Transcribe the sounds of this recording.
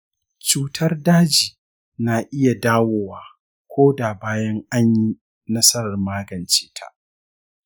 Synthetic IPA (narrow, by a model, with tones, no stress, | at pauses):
t͡ʃuː˦tʰɐ˦rdaː˦d͡ʒiː˨ | na˨ʔɪ˦ja˨daː˦woː˦waː˨ | kʷʰoː˦da˨baː˦jɐ˦ŋʔa˦ɲji˦ | nɐ˦sɐ˦ɽɐ˨rmaː˦ɡɐ˨nt͡ʃeː˦tʰa̰˨ʔ